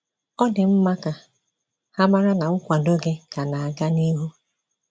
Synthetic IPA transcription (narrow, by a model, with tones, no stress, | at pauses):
ɔ˦dɪ˨m̩˦ma˦ka˨ | ha˦ma˦ɾa˦na˨ʊ˦kʷa˨do˦ɡe˦ka˨na˨a˨ɡa˦ni˦ɦu˦